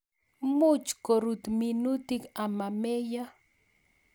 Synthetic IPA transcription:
mut͡ʃkoɾut̪minut̪ɪkamameja

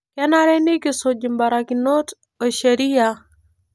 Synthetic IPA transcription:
kanaɾɛnikisod͡ʒimbaɾakinot | oʃeɾija

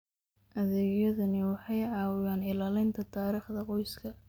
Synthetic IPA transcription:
ʔɐðɛɣjɐðɐnɪwɑħɑjʕɑːwɪjaːnɪlaːlɪnt̪ʰɐt̪ʰaːɾiːχd̪ɐqɔjskʰɐ

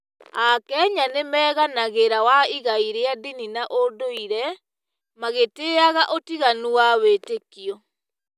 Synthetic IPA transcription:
akɛɲanemɛːɣanaɣeɾawaiɣaiɾeadininaʔodoiɾɛ | maɣeteaɣaʔotiɣanuwawetekiɔ

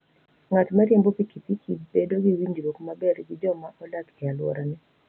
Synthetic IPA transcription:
ŋatmaɾjembopikipikʰibedoɡiwiɲd͡ʒɾokmabɛɾɡɪd͡ʒɔmaʔɔlakɛalwɔ̰ɾanɛ

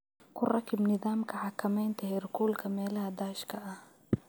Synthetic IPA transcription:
kʰʊrɑkʰɪbnɪðaːmkʰɐʕɑkʰɐmɛjnt̪ʰɐhɪrkʰuːlkʰɐmɛːlɐɦɐd̪aːʃkʰɐʔɐh

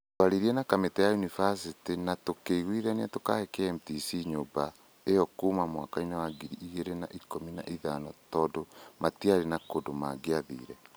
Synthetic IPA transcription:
twaɾiɾiɛnakametɛjajunivasitinatokeiɣwiðaniatoka̰hɛkɛːmtisiɲoba | eɔkuːmamwakainewaɡiɾiʔiɣeɾena̰ʔikomina̰ʔiðanɔtɔːdomatiaɾenakodomaɡeaðḭːɾɛ

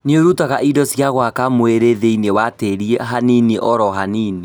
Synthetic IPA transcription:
nioɾutaɣaʔidɔsjaɣwakamoeɾeðeinewateɾiɛɦaniniʔɔɾɔɦaniːni

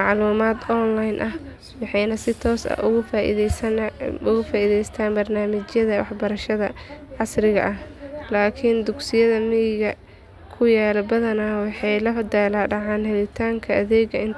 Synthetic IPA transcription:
ɑʕluːmaːd̪ɔnlajnʔɐh | wɑħɑjnɐsɪt̪ʰɔːsɐ̰ʔʊɣʊfaːʔɪ̰ | ʊɣʊfaːʔiðɛjst̪ʰaːnbɐrnaːmɪt͡ʃjɐðɐwɑħbɐɾɐʃɐðɐʕɑsrɪɣɐ̰ʔɐhlaːkʰɪnd̪ʊɡsɪjɐðɐmɪjɪɣɐ | kʰʊjaːlɛbɐðɐnaːwɑħɑjlɐfd̪ɛːlaːɖɑʕɑːnhɛlɪt̪ʰaːŋkʰɐɐðɛːɡɐɪn

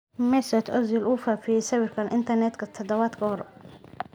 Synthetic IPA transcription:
mɛsɐt̪ʰɔzɪlʔuːfaːfɪjɛjsɐwɪrkʰɐnʔɪ̰nt̪ʰɐrnɛt̪kʰɐt̪ʰɐd̪ɐβaːd̪kʰɐhɔɾ

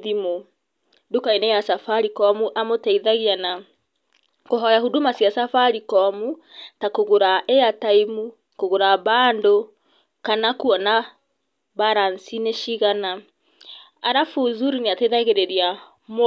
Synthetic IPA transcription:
ðimo | dukainɛjasafaɾikɔmuʔamotaiðaɣiana | koɦɔjahudumasjasafaɾikɔmu | takoɣoɾaʔeataimu | koɣoɾaβaːndo | kanakuɔna | baɾansineʃiɣana | aɾafuðuɾineateiðaɣeɾeɾia | m

